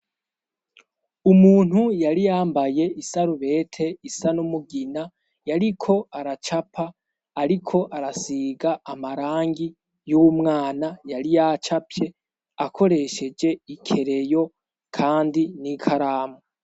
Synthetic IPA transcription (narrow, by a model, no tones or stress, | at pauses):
umuːn̥hujaɾijaːmbaje̞ʔisaɾuβe̞tʰe̞isanumuɡina | jaɾikʰo̞aɾat͡ʃapʰaː | ɾikʰo̞ʔaɾasiɡaːmaɾaːŋɡi | jumŋaːnajaɾijat͡ʃapje̞ | akʰo̞ɾe̞ʃe̞d͡ʒe̞ikʰe̞ɾe̞jo̞ | kʰaːndinikʰaɾaːme